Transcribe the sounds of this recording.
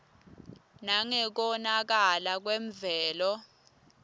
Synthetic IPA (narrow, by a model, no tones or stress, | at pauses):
naŋɛk̬ɔnak̬alak̬weɱvɛːlɔ